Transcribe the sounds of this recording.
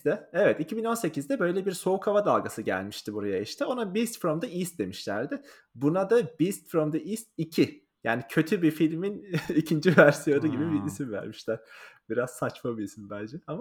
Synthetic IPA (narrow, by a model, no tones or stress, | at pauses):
d̪ɛevɛt̪icʰibino̞nse̞cizd̪ɛbø̞jlʲɛbiɾso̞ukʰavad̪alˠɡasɯɟæ̰lʲmiʃt̪ʰibuɾajaiʃt̪ʰio̞nabist̪fɾomd̪aisd̪e̞miʃlʲæ̰ɾd̪ɪ | bunad̪abist̪fɾomd̪aʔisicʰi | jaːnicʰø̞t̪ʰybifilʲminicʰind͡ʒivæɾsijo̞nuɟibibiisimvæ̰ɾmiʃlʲæɾ̥b̥iɾaz̥sat͡ʃmabiisimbælʲd͡ʒɛama